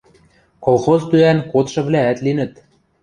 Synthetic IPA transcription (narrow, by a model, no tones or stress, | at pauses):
kolxozt̪yænkot̪ʃɤ̆βlæːt̪linə̆t̪